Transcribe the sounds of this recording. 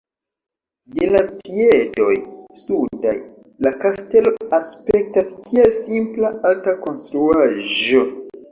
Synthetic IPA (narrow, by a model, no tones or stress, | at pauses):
delapiedo̞̰jsuda̰j | lakaste̞lo̞aspe̞k̚taskʰielsimplaaltako̞nstɾuaʒo̞